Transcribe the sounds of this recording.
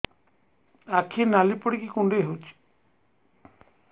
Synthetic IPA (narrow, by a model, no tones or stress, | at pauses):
akʰinalipəɽikikũɳɖeɦut͡ʃʰ